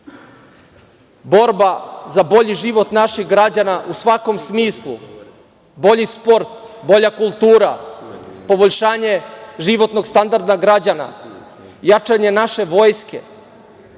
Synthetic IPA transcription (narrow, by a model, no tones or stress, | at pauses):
bo̞ɾbazabo̞ʎiʒiʋo̞t̪naʃixɡɾad͡ʑanaʔusʋako̞msmiːslˠṵ | bo̞ʎispo̞ɾt̪bo̞ʎakulˠt̪uːɾa̰ | po̞bo̞ʎʃaːɲe̞ʒiʋo̞t̪no̞ɡst̪and̪aɾd̪aɡɾad͡ʑana̰ | jat͡ʂaɲe̞naʃe̞ʋo̞jskḛ